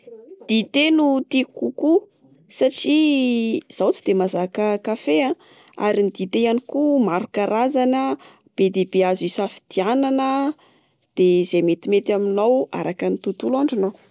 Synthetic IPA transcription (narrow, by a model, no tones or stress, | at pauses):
d̪̥it̪enut̪ikuku | saʈ͡ʂi | z̥awt͡si̥d̪emazakəkafeã | a̰ɾinid̪it̪ejanikumaɾukaɾʔazanə | b̥ed̪ebeazisafi̥d̪̥iananə | d̪̥ez̥ejmet̪imet̪aminawa̰ɾakənit̪ut̪ulaɳɖ͡ʐinaw